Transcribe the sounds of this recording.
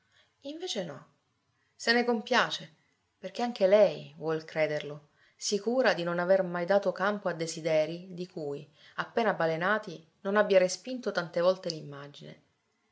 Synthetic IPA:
iɱveːt͡ʃenɔ | senekompjaːt͡ʃe | perk̟eaŋk̟elɛjvwɔlkɾeːd̪erlo | sikuːɾad̪inonavermajd̪aːt̪okampoad̪ːezid̪ɛːɾid̪ikuj | apːeːnabalenaːt̪i | nonabːjaɾespint̪ot̪ant̪evɔlt̪elimːad͡ʒine

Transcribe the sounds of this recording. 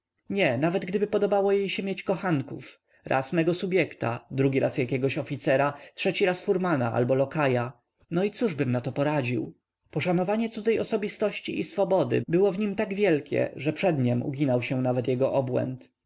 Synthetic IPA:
ɲɛnavɛd̪ɡd̪ɘbɘpɔd̪ɔbawɔjejɕɛmʲjet͡ɕkɔxaŋkṵf | ɾʔa̰smɛɡɔsubʲjɛkt̪a̰d̪ɾuɡʲiɾʔasjakʲɛɡɔɕɔfʲit̪sɛɾatʂɛt͡ɕiɾasfuɾmanaʔa̰lbɔlɔkaja | nɔit̪suʐbɘmnat̪ɔpɔɾad͡ʑḭw | pɔʂanɔvaɲɛt̪sud̪zɛjɔsɔbʲist̪ɔɕt͡ɕiʔisfɔbɔd̪ɘ̰bɘwɔvɲimt̪aɡvʲjɛlkʲɛ̰ʐɛpʂɛd̪ɲɛmṵɡʲinawɕɛ̃navɛt̪jɛɡɔʔɔbwɛ̰nt̪

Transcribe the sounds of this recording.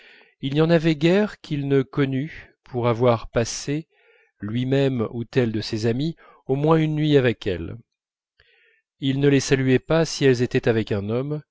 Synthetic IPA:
ilniɑ̃navɛɡʲɛʁkʲʰilnəkɔnypʰuʁavwaʁpase | lɥimɛmut̪ɛld̪əsezami | omwɛ̃ynːɥiavɛkʰɛ̰l | ilnəlesalyɛpasiɛlzet̪ɛt̪avɛkɛ̃nɔm

